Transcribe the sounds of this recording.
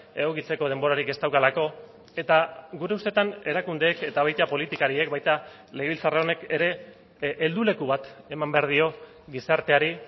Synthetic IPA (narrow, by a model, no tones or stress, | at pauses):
e̞ɣokit͡se̞ko̞ðe̞mbo̞ɾaɾike̞st̪awkalako̞ | e̞t̪aɡuɾe̞ust̪e̞t̪ane̞ɾakund̪e̞ːke̞t̪aβ̞ajt̪apo̞lit̪ikaɾie̞kbajt̪a | le̞ɣilt͡sareo̞ne̞ke̞ɾe̞ | ʔːld̪ule̞kuβat̪e̞mambe̞aɾð̞io̞ | ɣisaɾt̪e̞aɾi